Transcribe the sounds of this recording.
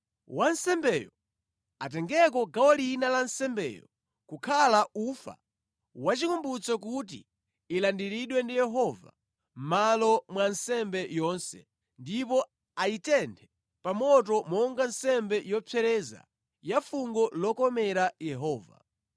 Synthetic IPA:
wansɛmbɛjɔ | at̬ɛŋɡɛk̬ɔɡawɔlinalansɛmbɛ̰ːjɔ | kukʰalaufa̰ | wat͡ʃikumbut͡sɔk̬ut̬ḭː | landiɾiɗwɛndijɛɦɔva̰ | m̩malɔmwansɛmbɛjɔnsɛ̰ | ndip̬ɔ | aitɛntʰɛ | pamɔt̬ɔmɔŋɡansɛmbɛjɔpʰɛɾɛza̰ | jafuŋɡɔlɔkɔmɛɾajɛɦɔːva̰

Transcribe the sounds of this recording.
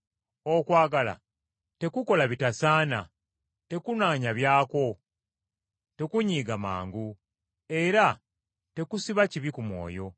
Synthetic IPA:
o̞kwaːɡala̰ | te̞kuko̞laβitasaːna̰ | te̞kunaːɲaβjaːko̞ | te̞kuɲiːɡama̰ːŋɡu | e̞ɾa | te̞kusiβaciβikumwo̞̰ːjo̞

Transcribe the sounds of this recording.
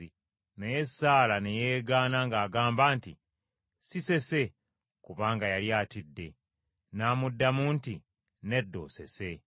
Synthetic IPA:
i | nejesaːlanejeːɡaːnaŋɡaːɡaːmbaːntḭ | sise̞se̞ | kuβaːŋɡajaljaːtidːe̞ | naːmudːamuːnti | ne̞dːo̞̰ːse̞̰se̞

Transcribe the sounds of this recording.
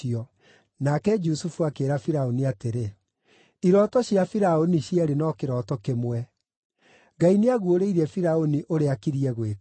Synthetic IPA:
ɔ | nakɛd͡ʒusufuakeːɾafiɾaoniateɾe | iɾɔtɔɕjafiɾaoniɕiɛɾenɔkeɾɔtɔkemwɛ | ɡaineaɣuoɾeiɾɛfiɾaoniʔoɾeakiɾiɛɣwe

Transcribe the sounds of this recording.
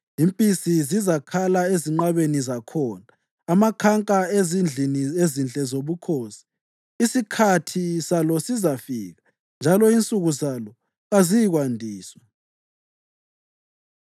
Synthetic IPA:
impʼisizizakʰalaeziŋ͡ǃaβenizakʰɔːnaː | makʰaŋkʼaezind͡ɮiniezint͡ɬʼɛzoβukʰoːsi̥ | isikʰatʰisalɔsizafiːɣa | nd͡ʒʱalɔint͡sʼuɣuzalɔ | ɣazijiɣwandʱiːswɛ

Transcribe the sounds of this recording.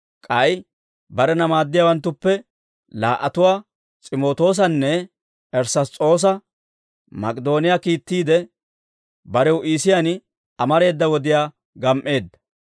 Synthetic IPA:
kʼɐj | bɐɾɛnɐmaːd̪ːɪjaːwɐnt̪ːʊpːɛ | laːʔɐt̪ʊwaː | t͡sʼɪmo̞ːt̪o̞ːs̬ɐnːɛ | ʔɛɾsɐt͡sʼo̞ːs̬ɐ | mɐkʼɪd̪o̞ːnɪjakiːt̪ːiːd̪ɛ | bɐɾɛwʔiːsɪjan | ʔɐmɐɾe̞ːd̪ːɐwɔd̪ɪjaː | ɡɐmʔe̞ːd̪ːɐ̥

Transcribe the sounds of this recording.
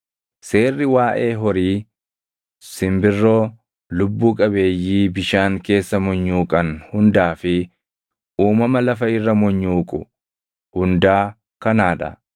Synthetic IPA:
se̞ːrːɪwaːʔe̞ːɦɔɾiː | sɪmbɪrːo̞ː | lʊbːuːkʼɐbe̞ːjːiːbɪʃaːŋke̞ːsːɐmɔɲːuːkʼɐnhʊnd̪aːfɪ | uːmɐmɐlɐfɐɪrːɐmɔɲːuːkʼʊ̰ | hʊnd̪aː | kɐnaːᶑɐ̰

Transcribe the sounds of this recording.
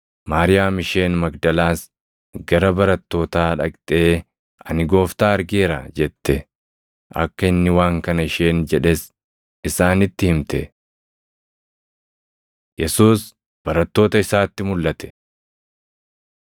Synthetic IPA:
maːɾɪjaːmɪʃe̞ːnmɐɡd̪ɐlaːs | ɡɐɾɐbɐɾɐt̪ːo̞ːt̪aːᶑɐ̰kt̪ʼe̞ː | ɐnɪɡo̞ːft̪aːɐɾɡeːɾɐ̰d͡ʒɛt̪ːɛ | ʔɐ̰kːɐɪnːɪwaːŋkɐnɐɪʃe̞ːnd͡ʒɛᶑɛs | ɪsaːnɪt̪ːɪhɪmt̪ɛ | jɛsuːs | b̥ɐɾɐt̪ːo̞ːt̪ɐɪsaːt̪ːɪmʊlːʔɐt̪ʰɛ̥

